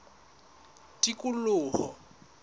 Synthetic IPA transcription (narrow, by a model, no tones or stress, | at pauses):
tʼikʼulʊːhɔ